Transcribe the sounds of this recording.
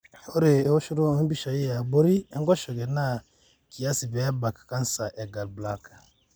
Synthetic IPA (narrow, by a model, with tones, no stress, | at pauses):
o˦ɾe˨˦o˦ʃu˦ɾo˦m̩˦bi˦ʃa˨ji˦a˨bo˦ɾi˦ŋ˦kɔ˦ʃɔ˨ɡɛ˨na˦ | ki˨ja˦si˨bɛ˨˦ba˨kḁ˨kã˦n˦sa˨ʔɛ˨ɡa˨lbla˦kḁ˨